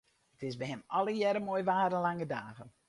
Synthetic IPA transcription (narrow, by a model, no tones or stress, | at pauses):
ətɪsbɛɦɛmɔlˠəjɛɾəmoːjʋaːdənlaŋədaːɣən